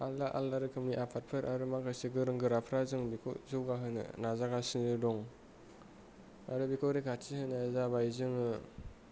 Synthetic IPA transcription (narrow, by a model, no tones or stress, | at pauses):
alːaʔalːaɾɯkʰɯmniʔapʰat̚pʰɯɾʔaɾɯmakajsiɡɯɾɯŋɡɯɾapʰɾazɯŋbikʰɔ̰zuɡaɦɯnɯ̰nazaɡasinɯdɔŋ | aɾɯbikʰɔɾekʰatihɯnaazabajzɯŋɯ